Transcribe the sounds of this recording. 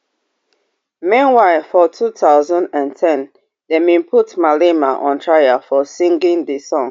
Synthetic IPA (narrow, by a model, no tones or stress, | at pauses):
mĩnwaɪlfɔtʰutʰaʊzɔ̃ndãntʰɛ̃n | dɛmĩnpʰutmalemaʔɔ̃ntʰɹajafɔsĩŋɡĩndisɔ̃ŋ